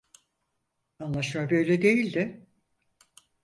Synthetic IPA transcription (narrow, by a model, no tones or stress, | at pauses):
anlˠaʃmabø̞jlʲɛd̪e̞jilʲd̪ɪ